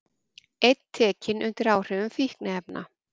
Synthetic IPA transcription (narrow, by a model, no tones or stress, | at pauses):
ejt̪t̪ʰːɛːcɪnʔʏnt̪ɪɾaːwr̥ʏʏmfihknaɛpna̰